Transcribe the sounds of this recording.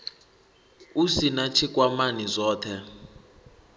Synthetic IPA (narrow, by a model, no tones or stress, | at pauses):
usinat͡ʃʰik̬ʼwamanizʷɔːtʰɛ